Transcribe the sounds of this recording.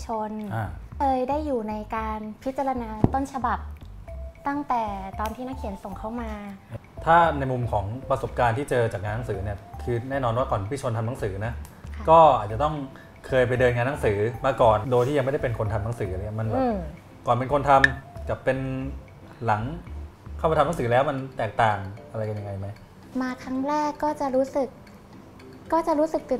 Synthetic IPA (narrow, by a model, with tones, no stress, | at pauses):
t͡ɕʰo˧nʔa˧˩kʰɤː˧jdaː˥˩jːuː˨˩na˧jkaː˧npʰi˦˥t̪̚t͡ɕa˧ɾa˧naː˧t̪o˥˩nt͡ɕʰa˧ba˨˩p̚t̪a˥˩ŋt̪ɛː˨˩t̪ɔː˧nt̪ʰiː˥˩na˦˥kʰi˨˩˦nso˨˩ŋkʰa˥˩wmaː˧ | t̪ʰaː˥˩na˧jmu˧mkʰɔː˩˦ŋpɾa˧so˨˩p̚kaː˧nt̪ʰiː˥˩t͡ɕɤː˧t͡ɕaː˨˩k̚ŋaː˧nː˦˥ŋsɯː˩˦ni˥˩ɐkʰɯː˧nɛː˥˩nɔː˧nwaː˥˩kɔː˨˩n˦˥pʰi˥˩t͡ɕʰo˧nt̪ʰa˧mna˦˥sɯː˩˦na˦˥kɔː˥˩ʔaː˨˩t͡ɕa˨˩t̪ɔ˥˩ŋ | kʰɤː˧jp̬a˧jdɤː˧nŋaː˧nːa˦˥ŋsɯː˩˦maː˧kɔː˨˩ndo˧jt̪ʰi˥˩ja˧ŋm˥˩jda˥˩pe˧nkʰo˧nt̪ʰa˧mna˦˥ŋsɯː˩˦ʔa˧ŋɲi˥˩ma˧nbɛː˨˩˧ | kɔː˨˩npe˧nkʰo˧nt̪ʰa˧mka˨˩pːe˧n | la˩˦ŋkʰa˥˩pa˧t̪ʰa˧na˦˥sɯː˩˦lɛː˦˥wma˧nt̪ɛː˨˩k̚t̪aː˨˩ŋʔa˧ɾa˧jka˧nja˧ŋa˧jma˦˥j | maː˧kʰɾa˦˥ŋɾɛː˥˩kːɔː˥˩t͡ɕa˨˩ɾuː˦˥sɯ˨˩k̚ː | ɔː˥˩t͡ɕa˨˩ɾuː˦˥sɯ˨˩k̚t̪ɯ˨˩